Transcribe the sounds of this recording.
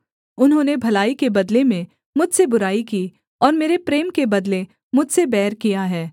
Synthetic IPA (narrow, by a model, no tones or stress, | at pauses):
ʊnɦõːnebʱɐlaːikebɐd̪lemẽ | mʊd͡ʒʱsebʊɾaːikiː | ɔːɾmeːɾepɾeːmkebɐd̪le | mʊd͡ʒʱsebɛːɾkijaɦɛː